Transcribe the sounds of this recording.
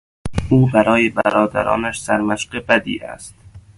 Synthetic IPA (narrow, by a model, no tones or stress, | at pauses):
uːbæɾɒːjebæɾɒːd̪æ̰ɾɒ̰ːnæʃsæɾmæʃqebæd̪ḭːæ̰st̪